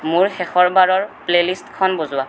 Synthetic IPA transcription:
mʊɹxɛxɔɹbaɹɔɹplelistkʰɔnbozʊwa

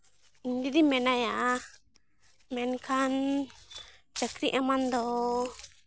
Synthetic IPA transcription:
d̪id̪imɛnajaʔa | mɛnkʰan | t͡ʃakɾiʔamãnd̪ɔ

